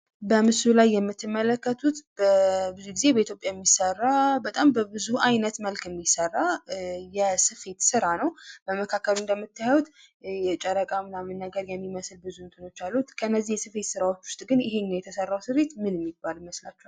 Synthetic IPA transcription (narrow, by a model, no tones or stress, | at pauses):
bəmɨsulajːɛmːɨt̪ːɨmːələkːət̪ʰut̪bəbɨzuɡize̞bəit̪ʰjopʼjajɛmːisərːabət̪ʼambəbɨzuajnət̪məlkʰjɛmːisərːajɛsɨfe̞t̪sɨɾanəwbəməkʰakːəlɨnd̪əmːɨt̪ʰːajawut̪ | jɛt͡ʃʼəɾəkʼanːamɨnːaɡəɾjɛmːiməsɨlbɨzuɨnt̪ʼɨno̞t͡ʃːalːut̪kʰəɨnːəzːihjɛsɨfe̞t̪sɨɾawo̞t͡ʃːwʊst̪ʼɡɨnjɪɦe̞ɲːajɛt̪ʰəsərːawsɨfe̞t̪mɨnɛmːibːalməslat͡ʃːɛa